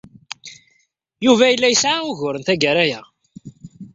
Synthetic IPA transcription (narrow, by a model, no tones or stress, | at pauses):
juvæjəlːæjəsʕaʊʝʊɾənθæɡəɾæjæ